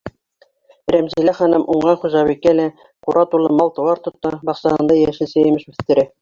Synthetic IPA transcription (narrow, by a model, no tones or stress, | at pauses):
ɾæmzilæχɑnɤmʔuɴɢɑnχuʒɑβikːælæ | quɾɑt̪ulˠɤmɑlˠt̪ɤ̆wɑɾt̪ŏt̪ːɑbɑqsɑhɤ̆nd̪ɑjæʃɘsæjɘ̆mɘʃʉθt̪ɘ̆ɾɘ